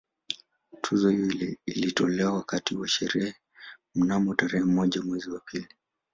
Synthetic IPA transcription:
tʰuzɔhjilitɔlɛwawakatiwaʃɛɾɛhɛ | m̩namɔtaɾɛhɛmɔʄamwɛziwapʰili

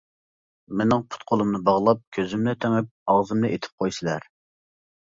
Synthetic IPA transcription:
menɪŋpʰʊ̥t̪̚qʰolˠumnɨbɑʁlˠɑp̚kʲʰøzymnɛt̪ʰeŋɪp̚ɑʁzɨmnɛʔet̪ʰɪ̥p̚qʰojsɨlˠæɾ

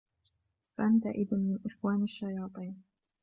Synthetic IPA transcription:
faʔant̪̬aʔɪd̪nmɪnʔɪxwaːnaʃːajɑːt̪ˤiːn

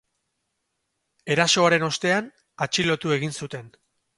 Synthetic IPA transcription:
e̞ɾaso̞aɾe̞no̞st̪e̞an | at͡ʃilo̞t̪ue̞ɣ̞insut̪e̞n

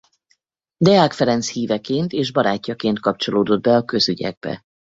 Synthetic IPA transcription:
d̪ɛaːkfɛɾɛnt̪shiːvɛkeːnt̪eːʒbɒɾaːcːɒkeːnt̪̚kɒp̚t͡ʃo̞loːd̪o̞d̪̚bɛɒkø̞zyɟɛ̰ɡ̚bɛ̰

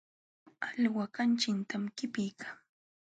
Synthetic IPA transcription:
aʎwakant͡ʃɪnt̪ʰamkɪpɪjkʰaŋ

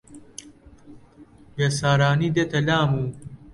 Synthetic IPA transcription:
bɐsaːɾaːnid̪et̪ɐlaːmuː

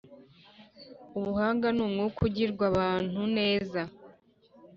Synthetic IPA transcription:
uβuhaːŋɡanuːmŋukʰuɟiɾɡwaβaːn̥hune̞ːza

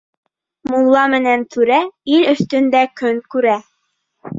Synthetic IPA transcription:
mulˠːɑmɘ̆nænt̪ʰʉɾæilɵ̆θt̪ɵ̆nd̪ækɵŋkʉɾæ

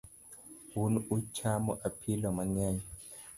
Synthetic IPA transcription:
wunuut͡ʃʰamɔʔapʰilɔmaɲɛɲɛ

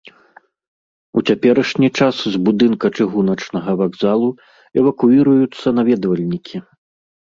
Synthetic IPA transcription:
ut͡sʲapʲɛɾɐʂnʲit͡ʂaszbud̪ɨnkɐt͡ʂɨɣunɐt͡ʂnɐɣɐvaɡzalˠu | ɛvɐkuiɾɐjut̪sːɐnavʲɛd̪vɐlʲnʲikʲʰi

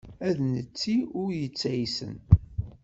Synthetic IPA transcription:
æðnət͡sːiʊɾjət͡sːæjsə̰n

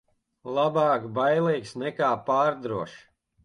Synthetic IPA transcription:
lˠabaːkbajlˠɛjksnɛkaːpaːɾd̪ɾuɔʃ

